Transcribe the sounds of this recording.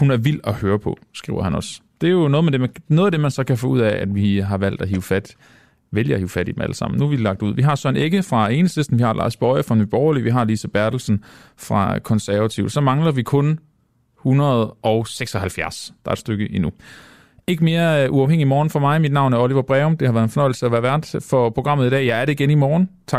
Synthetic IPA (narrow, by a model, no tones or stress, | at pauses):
hunæɐʋil̰ɒhøːɐpʰɒ̽sɡ̥ʁiʊɐɦænɒ̽sd̥e̝jo̝nɔːðˠmed̥enoːðˠæd̥e̝mænsɒ̽kʰæfɔːuð̰ˠɛæd̥ʋiɦɑ̈ʋæl̰d̥æɦiʊfæd̥ | ʋeljəæhiːʊfæɾ̥id̥em̩æ̰ləsɑ̈m̰n̩nuʋi̥lɑ̈ɡ̥̚d̥uð̰ˠʋiɦɑ̈sɒne̝ɡ̥əfʁɑ̈e̝ːnəsesd̥n̩ʋihɑ̈lʔɑ̰̈ːsb̥ɒɪɐfʁɑnyb̥ɒʊɐliʋiɦɑ̈lisæb̥æɐd̥l̩sn̩fʁɑ̈kʰɒ̽nsæɐʋæt͡sʰiʊð̥ˠsɒ̽mɑ̈ŋlɐʋikʰɔ̽n | hunɐð̞ˠʔɒʊseɡ̥sɒ̽hælfjæɐsd̥ɑ̈ɐed̥sd̥øɡ̥əʔinu | e̝ɡ̥əme̝ːɐʔuɑ̈ʊheŋ̰imɒːn̩fɒ̽mɑ̈ɪmid̥nɑ̈ʊnæɐɒliʋɐb̥ʁɛːɔmd̥e̝hɑʋæːɐðˠenfɒnɒ̽ɪ̰l̩səæʋæːɐʋæɐd̥fɒ̽pʰʁo̝ɡ̥ʁɑ̈m̰ð̩ˠid̥ɛ̰ːjɑɪæɐɾe̝iɡ̥enimɒːn̩t͡sʰɑ